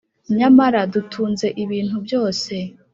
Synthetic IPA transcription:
ɲamaɾadutʰuːnze̞ʔiβiːn̥hubjo̞ːse̞

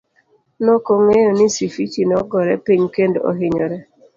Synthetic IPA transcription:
nokoŋejonɪsifit͡ʃinɔɡɔɾɛpiɲkendo̰o̰ɦɪɲɔɾɛ

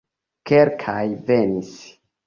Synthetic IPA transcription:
keɾkʰajve̞nis

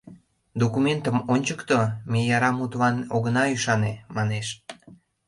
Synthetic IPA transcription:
d̪okument̪əmonʲt͡ɕəkt̪omejɑɾɑmut̪lɑnoɣənɑyʃɑnemɑneʃ

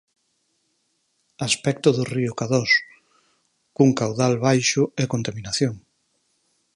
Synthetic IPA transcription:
aspɛk̚t̪ʊðʊriʊkaðos | kuŋkawðalβajʃʊekont̪amĩnaθjoŋ

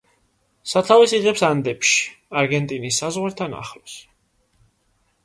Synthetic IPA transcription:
sat̪ʰavisiʁɛpsand̪ɛpʃi̥aɾɡɛnt̪ʼinisːazʁwaɾt̪ʰana̰χlɔs

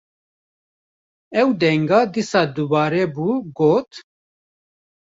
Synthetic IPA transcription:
ɛwd̪ɛŋɡɑːd̪isɑːd̪ubɑːɾɛːbuːɡoːt̪

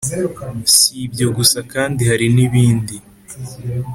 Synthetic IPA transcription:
sibɟoɡusakaːndihaɾiniβiːndi

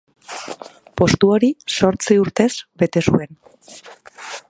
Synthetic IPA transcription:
po̞st̪uo̞ɾiso̞ɾt͡siuɾt̪e̞zbe̞t̪e̞sue̞n

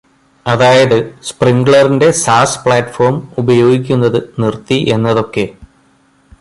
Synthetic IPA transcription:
ɐðaːjɐðɨspriŋɡɭɐrinde̞saːspɭaːtːfo̞ːrmubɐjo̞ːɡik̬ʲːunːɐðɨnirt̪ːiʔe̞nːɐðo̞kːe̞

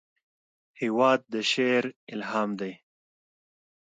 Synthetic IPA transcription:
hiwɑːd̪̚ːəʃeɾɪlɦɑːmd̪aj

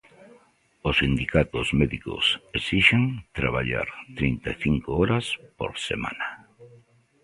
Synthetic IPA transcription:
ʊsind̪ikat̪ʊzmɛðikʊ̰sesiʃeŋt̪ɾaβ̞aʎa̰ɾt̪ɾint̪aθiŋkoɔɾaspo̰ɾsḛma̰na

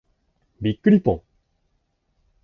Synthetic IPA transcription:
bʲikːɯɾʲipõ

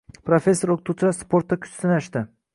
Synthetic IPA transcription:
pɾofʲe̞sːoɾoqt̪ut͡ʃaspo̞ɾt̪ːakʲʰʊ̥t͡ʃsɪnaʃt̪ɪ

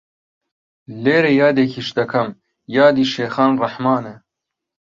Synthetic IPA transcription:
leːɾejɑːd̪ekʰiʃd̪ɐkʰɐm | jɑːd̪iːʃeːxɑːnrɐħmɑːne

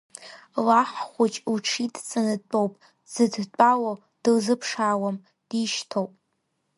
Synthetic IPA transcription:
laħχʷʊt͡ʃʼuʈ͡ʂʰidt͡sʼanɨt͡pʼowpʼ | z̥ɨdt͡pʼawo | d̥ɨlzɨpʰʂawam | d̥iʃtʰowpʼ

